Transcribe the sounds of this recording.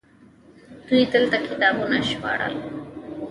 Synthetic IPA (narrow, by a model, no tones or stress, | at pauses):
t̪uit̪əlt̪akɪt̪ɑbunaʃpa̰ɽə̰l